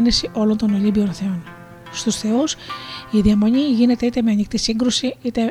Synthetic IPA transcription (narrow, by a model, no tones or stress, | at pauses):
nisiʔo̞lo̞nt̪onolimbio̞nθe̞on | st̪usθe̞usiðiɐmo̞ɲiʝine̞t̪e̞it̪e̞me̞ɐnikt̪isiŋɡɾusiit̪e